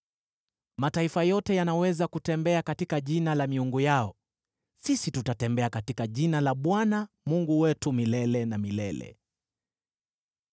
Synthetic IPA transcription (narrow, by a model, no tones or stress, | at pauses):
mataifajɔtɛjanawɛzakutɛmbɛakatikaʄinalamiuŋɡujaɔ | sisitutatɛmbɛakatikaʄinalaɓwana | muŋɡuwɛtumilɛlɛnamilɛlɛ̰